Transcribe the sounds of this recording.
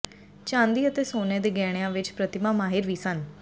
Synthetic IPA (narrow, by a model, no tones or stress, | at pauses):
t͡ʃãːnd̪iːət̪eːsoːneːd̪eːɡɛːɽ̃jãːʋɪt͡ʃpɾət̪ɪmãmaːɦɪɾʋiːsən